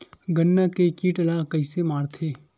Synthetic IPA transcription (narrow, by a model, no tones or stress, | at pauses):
ɡənːakekiːʈəlaːkɐɪsemaːɾt̪ʰeː